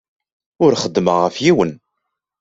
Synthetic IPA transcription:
ʊɾχəd̪ːməʁəfjiwən

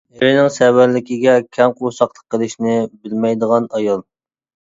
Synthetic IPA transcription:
eɾɪnɪŋsɛwæɾlɪkʲiɡʲɛkʲʰɛmqʰosɑqlˠəqʰːəlˠɪʃnɪbɪlmɛjd̪əʁɑnɑjɑlˠ

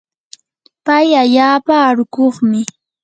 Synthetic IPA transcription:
pajaʎaːpaːɾʊkoχmɪ

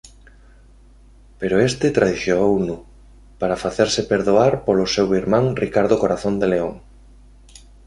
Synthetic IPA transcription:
peɾʊest̪ɪt̪ɾaðiθjoownu | paɾafaθeɾsɪpeɾðoaɾpolʊsewiɾmãŋrikaɾðokoɾaθond̪eleoŋ

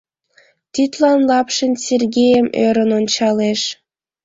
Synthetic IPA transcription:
t̪yt̪lɑnlɑpʃənserɣejəmøɾənonʲt͡ɕɑleʃ

